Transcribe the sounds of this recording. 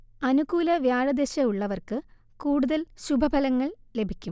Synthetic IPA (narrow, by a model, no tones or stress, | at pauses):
ɐnuɡuːlɐʋjaːɻɐd̪eɕɐuɭːɐʋɐrkɨ | kuːɽuðɐlɕubʱɐbʱɐlɐŋːɐɭle̞bʱikʲːum